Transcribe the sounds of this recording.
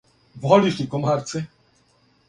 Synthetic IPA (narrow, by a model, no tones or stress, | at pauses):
vɔlʲiʂʲikɔmaɾt̪sɛ